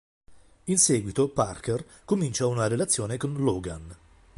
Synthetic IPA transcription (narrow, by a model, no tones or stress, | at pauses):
insɛːɡwit̪oparker | komint͡ʃaunaɾelat̪sːjoːnekonloːɡan